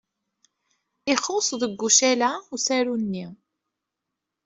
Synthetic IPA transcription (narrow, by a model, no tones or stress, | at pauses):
iχosˤðəɡːuʃælæusæɾunːi